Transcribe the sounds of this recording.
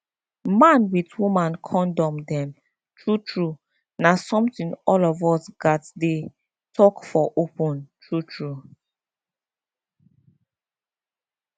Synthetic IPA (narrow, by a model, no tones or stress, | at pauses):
mãnwitwumãnkʰɔ̃ndɔ̃mdɛ̃m | tʰɹutʰɹu | nasɔ̃mtĩnɔlɔvɔsɡatde | tʰɔkfɔʔopɔ̃ntʰɹutʰɹu